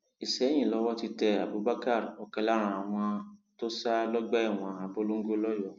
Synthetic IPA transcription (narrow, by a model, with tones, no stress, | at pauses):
i˨ʃɛ˨˦j̃ĩ˦˨lɔ˨˧˦wɔ˦ti˧tɛ˧a˨bo˨˦ba˦ka˦˨ɾɔ˨kɛ˧la˦ɾ̃ã˧˨a˨w̃ɔ̃˧to˦sa˦lɔ˦ɡ͡bɛ˦ɛ˦˨w̃ɔ̃˧a˨bo˦lo˦ŋ̩˦ɡo˦lɔ˦jɔ˦˨